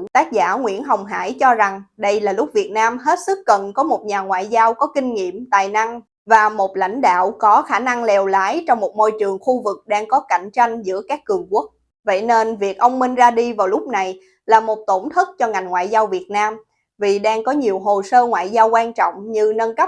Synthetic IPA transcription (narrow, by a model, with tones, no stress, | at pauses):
t̪aː˦˥k̚zaː˧˩ŋwḭ˧˥ənɦə˨˩wŋ͡mɦa̰ː˧˥jt͡ɕɔ˧za˨˩ŋɗə˧jlaː˨˩lʊ˦˥k͡p̚vi˨˩ət̚naː˧mɦe˦˥t̚sɨ˦˥k̚ːə˨˩nkɔ˨˦mo˨˩t̚ɲaː˨˩ŋwa̰ː˧˨jzaː˧wkɔ˨˦kï˧ŋ̟ŋḭ˧˨əmt̪a̰ː˨˩jna˧ŋ | vaː˨˩mo˨˩t̚la̰˧˥jŋ̟ɗa̰ː˧˨wkɔ˨˦xaː˧˩na˧ŋlɛ˨˩wlaː˨˦jt͡ɕɔ˧wŋ͡mmo˨˩t̚mo˧jt͡ɕɨ˨˩əŋxu˧vɨ˨˩k̚ɗaː˧ŋkɔ˨˦ka˧˩jŋ̟t͡ɕa˧jŋ̟zɨ̰˧˥əkaː˦˥kːɨ˨˩əŋku˦˥ək̚ | və̰˧˥˨jne˧nvi˨˩ək̚ʔə˧wŋ͡mmï˧ŋ̟zaː˧ɗi˧vaː˨˩wlʊ˦˥k͡p̚na˨˩j | laː˨˩mo˨˩t̚t̪o˧˩nt̪ʰɨ˦˥k̚t͡ɕɔ˧ŋa˨˩jŋ̟ŋwa̰ː˧˨jzaː˧wvi˨˩ət̚naː˧m | vi˨˩ɗaː˧ŋkɔ˨˦ɲi˨˩əwɦo˨˩səː˧ŋwa̰ː˧˨jzaː˧wkwaː˧nt͡ɕɔ̰˧˨wŋ͡mɲɨ˧nə˧nkə˦˥